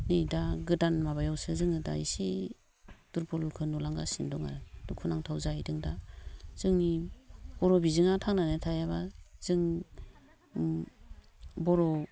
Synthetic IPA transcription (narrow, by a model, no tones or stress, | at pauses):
nɯjdaɡɯdanmabajawsɯzɯŋɯda̰isi | d̥uɾbɔlkʰɯnulaŋɡasindɔŋa̰ɾɯdukʰunaŋtʰawzajdɯŋdaz̥ɯŋnibɔɾɔbizɯŋatʰaŋnanetʰajaβaz̥ɯŋ | bɔɾɔ